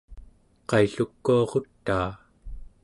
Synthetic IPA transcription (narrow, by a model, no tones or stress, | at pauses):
qɑjɬukːuɑʁo̞t̪ːaː